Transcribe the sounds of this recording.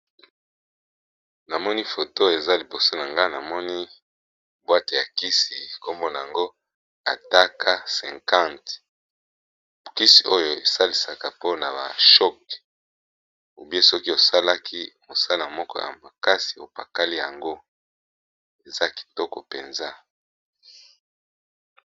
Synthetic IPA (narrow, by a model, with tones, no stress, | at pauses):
na˨mɔ˦ni˦fo˨to˦e˨za˦li˨bo˨so˦na˨ŋɡa˦na˨mɔ˦ni˦ | bwa˦te˨ja˨ki˦si˨ko˦mbɔ˦na˨ja˨ŋɡo˦ | a̰˨ta˦kʰa˦sɛ̃˨ŋkã˦˨nt | ki˦si̥˨ʔo˦jo˨e˨sa˦li˨sa˨ka˨po˦na˨ba˨ʃɔ˦k̚ | o˨bje˦sɔ˦ki˦o˨sa˦la˦kʰi˦mo˨sa˦lna˨mɔ˦kɔ̰˦ja̰˨ma˨ka˦si̥˨o˨pa˨ka˦li˦ja˨ŋɡo˦ | e˨za˦ki̥˨tɔ˦kɔ̰˨pe˨nza˦